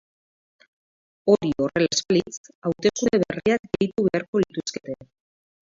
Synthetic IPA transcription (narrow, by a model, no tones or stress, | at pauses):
o̞ɾio̞re̞lespalit͡sawt̪e̞sune̞βeriakɡe̞jt̪uβe̞aɾko̞lit̪uske̞t̪e